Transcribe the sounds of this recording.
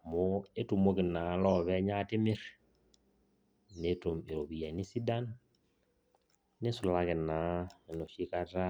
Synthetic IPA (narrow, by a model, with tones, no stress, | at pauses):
mo˦e˦tu˨mo˦kɪ˨na˨˦lɔ˦βɛ˦ɲa˦tɪ˦mɪ˦ɾ | ne˦to˨me˨ɾo˨bi˨ja˨ni˦si˦da˦n | e˦sʊ˨la˦kɪ˨na˨˦e˨no˨ʃi˦ka˦ta˦